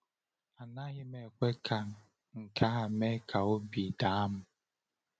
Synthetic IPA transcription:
a˨na˦ɣɪ˦me˨kʷe˦kʰa˨ | ŋ̩˨kʰa˦a˨me˦kʰa˨o˦bi˨da˨˦a˦m̩˦

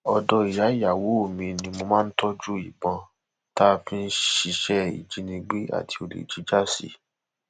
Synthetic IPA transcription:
ɔ˧dɔ˧i˨ja˨˦ja˨wo˨˦˨mĩ˧nĩ˧mo˧mãː˦˧n̩˦tɔ˦d͡ʒu˦i˨bɔ̃˧ | ta˦fĩ˦˧n̩˦ʃi˧ʃɛ˦ḭ˨d͡ʒi˨˦nĩ˧ɡ͡be˦a̰˦˨tʰi̥˧o˧lḛ˨d͡ʒi˨˦d͡ʒa˦˨sḭ˧˦

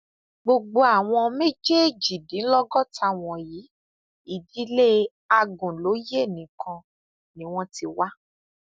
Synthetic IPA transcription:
ɡ͡bo˧ɡ͡bo˧a˨w̃ɔ̃˧me˦d͡ʒe˦˨d͡ʒi˨dĩ˨˦n̩˦lɔ˦ɡɔ˦˨ta˧˨w̃ɔ̃˨jiː˨˦ | i˦˨di˨˦le˦ | a˧ɡũ˨lo˨˦je˦˨nĩ˨˦kʰã˧ | nĩ˨˦w̃ɔ̃˦ti˧wa˦

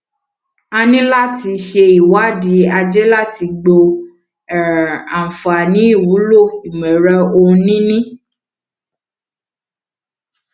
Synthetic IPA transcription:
a˧nĩ˦la˦˨ti˧ʃe˧i˨wa˨˦di˨˦a˧d͡ʒɛ˦la˦˨ti˧ɡ͡bo˧˨ | a˨fa˨nĩ˨˦i˦˨wu˨˦lo˦˨i˨mɛ̃˨ɾa˧õ˧˦nĩ˦nĩ˦

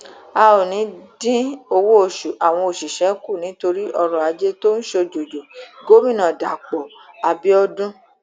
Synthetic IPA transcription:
a˧o˨nĩ˨˦dĩ˦o˧wo˦o˨ʃu˨ʔa˨w̃ɔ̃˧o˨ʃi˨ʃɛ˨˦ku˦˨nĩ˨˦to˧ɾi˦ʔɔ˧ɾɔ̃˨a˧d͡ʒe˦to˦n̩˦ʃo˧d͡ʒo˨d͡ʒo˨ɡo˦mĩ˦˨nã˨da˨k͡pɔ˨a˧bi˦ɔ˦dũ˦

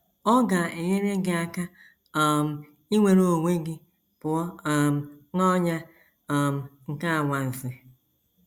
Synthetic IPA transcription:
ɔ˦ɡa˨e˨ɲe˦ɾe˦ɡɪ˦a˦ka˦ | ɔ˨m̩˨ | i˦ŋʷe˨ɾo˨ŋʷe˦ɡɪ˦ | pʊ˨ɔ˦˨m̩˨nɔ˦ɲa˦˨ | m̩˦˨ŋ̩˨ka˦˨ŋʷa˨n̩˨fi˦

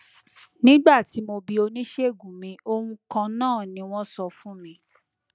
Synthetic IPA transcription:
nĩ˦ɡ͡ba˦˨ti˨˦mo˧bi˨˧o˧nĩ˦ʃe˦˨ɡũ˨mĩ˧o˧hũ˧kã˧nãː˦˨nĩ˧˦w̃ɔ̃˦sɔ˧fũ˦mĩ˧˦

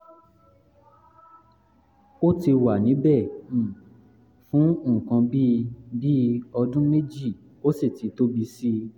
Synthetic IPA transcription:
o˦ti˧wa˨nĩ˨˦bɛ˦˨ | fũ˨˦õ˦˨kã˧bi˦˧bi˦ɔ˧dũ˦me˦d͡ʒi˦˨ | o˦si˦˨ti˨˦to˦bi˧si˦

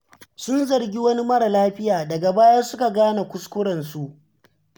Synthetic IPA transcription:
sʊ˦nzɐ˨ɾɡʲi˦wɐ˦ni˦mɐ˦ɾa˨laː˦ɸɪ˦jaː˨dɐ˨ɡa˨baː˦ja˦sʊ˦ka˨ɡaː˦na˨kʷʊ˦skʷʊ˦ɽɐ˨nsu˨ʔ

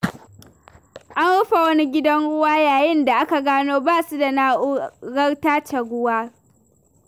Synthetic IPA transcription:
ʔa˦nɽʊ˦ɸa˨wɐ˦ni˦ɡʲɪ˦dɐ˦nɽʊ˦waː˦jaː˨jɪ˦nda˨ʔa˦ka˨ɡaː˦noː˦baː˦˨su˦da˨naː˦ʔʊ˦ɡɐ˦rtaː˦t͡ʃɐ˨ɡʷʊ˦waː˦

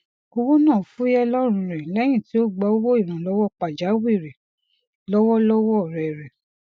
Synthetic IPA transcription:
o˧wo˦nãː˦˨fu˦jɛ˦lɔ˦ɾ̃ũ˧ɾɛ˨lɛ˦j̃ĩ˦˨ti˦o˦ɡ͡bɔ˨˦o˦wo˦i˦˨ɾ̃ã˨lɔ˦wɔ˦k͡pa˨d͡ʒa˨˦wi˦˨ɾɛ˨ | lɔ˦wɔ˦lɔ˦wɔ˦˨ɾɛ˨ɾɛ˨

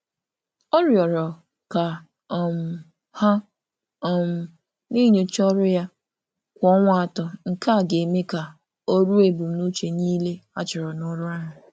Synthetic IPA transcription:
ɔ˦ɾjɔ˨ɾɔ˨ | ka˨ | m̩˨ | ha˦ | ɔ˨m̩˨ | ni˦ɲo˨t͡ʃɔ˦ɾʊ˦ja˦ | kʷɔ˦ŋʷa˦a˨tɔ˨ŋ̩˨ka˦˨ɡe˨e˨me˦ka˨ | o˦ɾu˦e˨bu˨m̩˨nu˦t͡ʃe˨niː˦le˦a˦t͡ʃɪ˨ɾɔ˨nʊ˦ɾʊ˦a˦ɦʊ˨

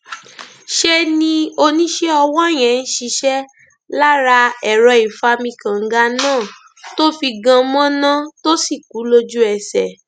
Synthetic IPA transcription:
ʃe˦nĩ˧o˧nĩ˦ʃe˦ɔ˧wɔ̃˦˨j̃ɛ̃˨n̩˦ʃi˧ʃɛ˦ | la˦ɾa˧ɛ˨ɾɔ˧i˨fa˨˦mĩ˧kã˨ŋ̩˦ɡa˧˦nãː˦˨ | to˦fi˧ɡã˧mɔ̃˦nã˦to˦si˦˨ku˨˦lo˧d͡ʒu˦ɛ˧sɛ˨

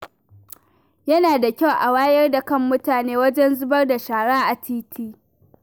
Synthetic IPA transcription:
jɐ˦naː˨da˨kʲa˦˨wʔa˨waː˦jɐ˦rda˨kɐ˦˨mːʊ˦taː˨neː˦wɐ˦d͡ʒɛ˦nzʊ˦bɐ˦rda˨ʃaː˨ɽaː˦ʔa˨tʰiː˦tʰiː˦

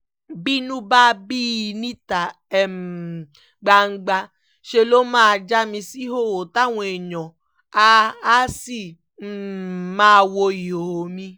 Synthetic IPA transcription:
bi˦nũ˦ba˦˧bi˦i˧nĩ˦ta˨ | ɛ˨m˨ | ɡ͡ba˧ŋ̩˦ɡ͡ba˧ | ʃe˧lo˦mãː˦˧d͡ʒa˦mĩ˧si˦ɦo˦˨wo˨ta˦˨w̃ɔ̃˧e˨ɲɔ̃˨ | a˧a˦si˦˨˦ | mãː˦˧wo˧i˨o˨ho˨mĩ˧

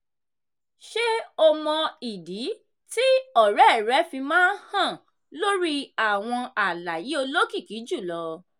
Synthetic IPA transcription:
ʃe˦ɔ˧mɔ̃˧i˨di˨˦ | ti˦ɔ˦˨ɾɛ˨˦˨ɾɛ˨˦fi˧mãː˦hã˦˨ | lo˦ɾi˦a˨w̃ɔ̃˧a˨la˨ji˨˦o˧lo˦ki˦˨ki˨˦d͡ʒu˦˨lɔ˧˦

